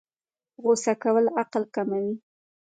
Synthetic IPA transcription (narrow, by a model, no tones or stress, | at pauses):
ɣosakawəlaqlkamawi